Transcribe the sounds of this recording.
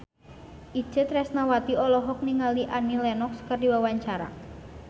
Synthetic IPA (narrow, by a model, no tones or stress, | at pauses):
ʔi̥d͡ʒ̥ət̪rɛsnawat̪iɔlɔɦɔk̚niŋaliʔanilɛnɔkskərdiwawaɲt͡ʃaɾa̰